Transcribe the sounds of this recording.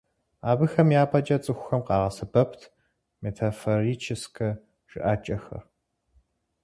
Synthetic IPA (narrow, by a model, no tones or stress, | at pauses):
aːbɨxɐmjaːpʰʼɐd͡ʒʼɐt͡sʼɨxʷʊxɐmqɑːʁɐsɨbɐpʰtʰ | metʰaforit͡ʃʰɪskʰɐ | ʒ̥ɨ̰ʔaːt͡ʃʼɐxɐ̰r